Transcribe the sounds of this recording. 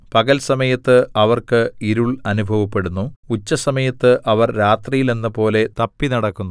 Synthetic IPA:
pɐɡɐlsɐmɐjɐt̪ːɨɐʋɐrkɨiɾuɭɐnubʱɐʋɐpːe̞ɽunːuut͡ɕːɐsɐmɐjɐt̪ːɨʔɐʋɐrɾaːt̪rijile̞nːɨpo̞ːle̞t̪ɐpːinɐɽɐkːunːu

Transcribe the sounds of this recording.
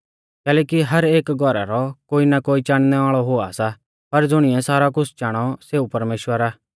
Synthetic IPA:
kɛːlɛːkiɦɐɾeːkɡʱɔɾa̰ɾɔkoːinakoːit͡ʃaːɽ̃nɛaːɭɔɦoa̰sa | pɐɾd͡zʊɽ̃ɪɛsaːɾak̬ʊt͡sʰt͡ʃaːɽ̃ɔseːupɐɾmeːʃwəɾaː

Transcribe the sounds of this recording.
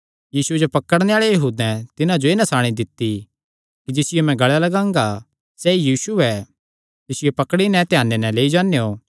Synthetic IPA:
jiːsued͡ʒopɐkəɽneaːɭejɐɦuːd̪ɛ̃t̪ɪnãd͡ʒoeːnɐsaːɽ̃id̪ɪt̪ːi | kid͡ʒɪsɪjomɛ̃ɡɐɭjalɐɡãːŋɡa | sɛijiːsuɛ | t̪ɪsɪjopɐkɽinɛ̃t̪ɪjaːnːenɛ̃leːid͡ʒãːnejo

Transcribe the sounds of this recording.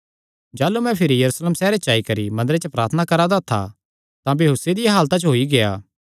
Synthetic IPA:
d͡ʒaːlumɛ̃pʰɪɾijɐɾusleːmsɛːɾet͡ʃaːikɐɾimɐ̃nd̪əɾet͡ʃəpɾaːɾt̪ʰənakɐɾad̪at̪ʰa̰ | t̪ãbiɦuːsed̪ɪjaɦaːlt̪at͡ʃɦoːiɡeja̰ː

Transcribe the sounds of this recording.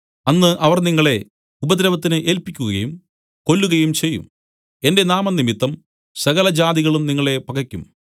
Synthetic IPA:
ɐnːɨʔɐʋɐrniŋːɐɭe̞ | ubɐd̪ɾɐʋɐt̪̬ːinɨʔe̞ːlpikʲːuɣɐjum | ko̞lːuɣɐjumt͡ɕe̞jːṵm | e̞nde̞naːmɐnːimit̪ːɐm | sɐɣɐlɐd͡ʑaːd̪iɣɐɭumniŋːɐɭe̞pɐkɐkʲːum

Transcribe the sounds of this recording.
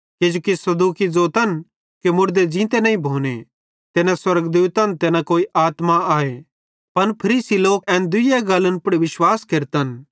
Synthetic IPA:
ked͡ʒoːkisɐd̪uːkid͡zoːt̪ɐn | kemʊɾd̪ed͡ʒĩːt̪enɐĩbʱoːne | t̪eːnãswɐɾɡd̪uːt̪ɐnt̪eːnakoːiʔaːt̪maaːe | pɐnpʰɐɾiːsiloːkɛ̃ːnd̪ʊjaɡɐlənpʊɽiʋɪʃwaːskeɾt̪ən

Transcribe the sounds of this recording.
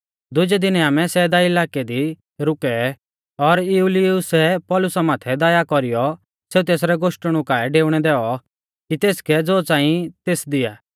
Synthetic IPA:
d̪ʊd͡ʒɛd̪ɪnaːmɛsɛːd̪aɪlaːked̪i | ɾʊkɛ | ɔɾɪulɪʊsɛpɔːlʊsamaːt̪ʰɛd̪aːjakɔɾɪjɔ | seːut̪eːsɾɛɡoːʃʈəɽ̃ũkaːɛɖeːʊɽ̃ɛd̪ɛːɔ | kit̪eːskɛd͡zoːt͡sãːĩt̪eːsd̪ɪjaː

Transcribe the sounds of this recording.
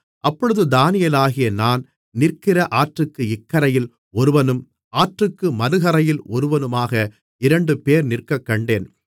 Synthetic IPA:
ʔɐpːɔɻɯðɯd̪aːnɪjɐlaːɣɪjɐnaːn | nɪrkɪrɐʔaːʈrɯkːɯɪkːɐɾɐjɪl | ɔɾɯʋɐnɯm | aːʈrɯkːɯmɐɾɯɣɐɾɐjɪlɔɾɯʋɐnɯmaːɣɐ | ɪɾɐɳɖɯpeːɾnɪrkɐkːɐɳɖeːn

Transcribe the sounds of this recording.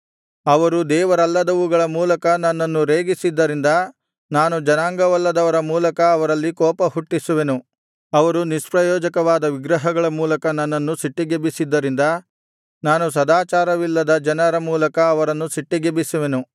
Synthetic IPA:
ɐʋɐɾud̪ɛːʋɐɾɐlːɐd̪ɐʋuɡɐɭɐmuːlɐkɐnɐnːɐnːuɾeːɡisid̪ːɐɾind̪ɐ | naːnud͡ʒɐnaːŋɡɐʋɐlːɐd̪ɐʋɐɾɐmuːlɐkɐːʋɐɾɐlːikɔːpɐɦuʈːisuʋe̞nu | ɐʋɐɾuniʃpɾɐjɔːd͡ʒɐkɐʋaːd̪ɐʋiɡɾɐɦɐɡɐɭɐmuːlɐkɐnɐnːɐnːusiʈːiɡebisid̪ːɐɾind̪ɐ | naːnus̬ɐd̪aːt͡ʃaːɾɐʋilːɐd̪ɐd͡ʒɐnɐɾɐmuːlɐkɐːʋɐɾɐnːusiʈːiɡebisuʋe̞nu

